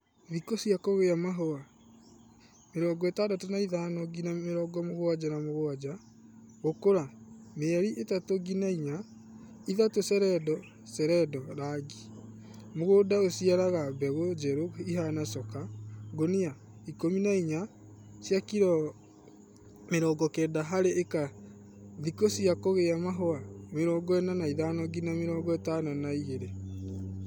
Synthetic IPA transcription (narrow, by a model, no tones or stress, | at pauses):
βikosiakɔɣeamaɦɔa | meɾɔːɡɔetadatonaiðanɔɡinaeɾɔːɡɔmoɣoad͡ʒanamoɣoad͡ʑa | ɣokoɾameɛɾiʔetatoɡinaiɲa | iðatosɛɾɛdɔ | sɛɾɛdɔɾaɡi̥ | moɣodaosiaɾaɣabɛɣod͡ʒɛɾoiɦanasɔkaɡonea | ikominaiɲa | sjakiɾɔ | meɾɔɡɔkɛdaɦaɾeʔeka | ðikosiakoɣeamaɦoameɾɔɡɔɛnanaiðanɔɡinameɾɔːɡɔetananaiɣeɾe